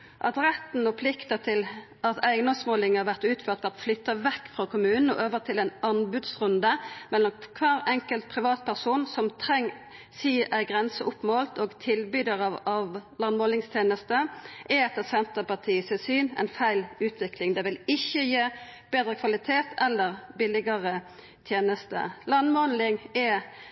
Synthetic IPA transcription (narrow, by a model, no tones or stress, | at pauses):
ʔɑ̰t̪ʁɛt̪n̩ɔpʰlɪkt̪ət̪ʰɪl | ʔɑt̪ʰæɪɡnɔsmoːlɪŋhɑɾʋæʁt̪ʉːt̪føːʁt̪ʋæʁt̪flʏt̪ːɑʋɛkːfʁɑkʰʊmʉːnn̩ɔ̰ʔøːʋəʁt̪ʰɪlæɪnɑnbʉd̪sʁʉnd̪əmɛlːɔmkʰʋɑːɾɛŋkəlt̪̚pʰʁɪʋɑːt̪̚pʰæʁsuːnsɔmt̪ʰʁɛŋː | siːæɪɡʁɛnsəʔʊpːmoːlt̪oːɡt̪ʰɪlbyːd̪əʁɑɑʋlɑnmoːlɪŋst̪ʰjeːnəst̪əʔɛɛt̪ːəsɛnt̪əpɑʈ̪ʰiːsɪsyːnæ̰ɪnfæɪlʉːt̪ʰʋɪklɪŋd̪ɛʋɪlɪçːəjeːb̥eːd̪ʁəkʰʋɑlɪt̪ʰeːt̪ɛlːəʁbɪlɪɡəʁə | t̪ʰjeːnəst̪ə̰lɑnmɔnlɪŋɛ